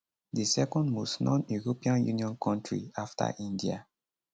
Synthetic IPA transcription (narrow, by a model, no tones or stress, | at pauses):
disɛkɔ̃ndmɔsnɔ̃njuɹopĩãnjuniɔ̃nkʰɔ̃ntʰɹḭaftʰa̰ʔĩndia̰